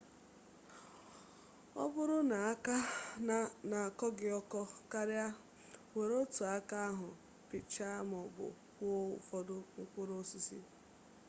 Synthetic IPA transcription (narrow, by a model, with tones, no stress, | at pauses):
ɔ̰˦bʊ˦ɾʊ˦na˨˦a˦ | na˨kɔ˦ɡɪ˦ɔ˦kɔ˦ka˦ɾɪ˦a˦ | we˨ɾo˦tu˨a˦ka˦a˦ɦʊ˨ | pɪ˨t͡ʃa˦mɔ˨bʊ̰˨ | kʷʊ̰˨fɔ˦dʊ˦ŋ͡m̩˦kʷʊ˦ɾo˦si˦sḭ˦